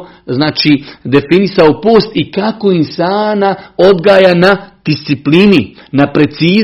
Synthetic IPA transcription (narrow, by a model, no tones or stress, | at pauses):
znaːt͡ʃid̪e̞finisaopo̞ːst̪ikako̞imsaːnaod̪ɡaːjanad̪̥ist̪siplininapɾe̞t̪siː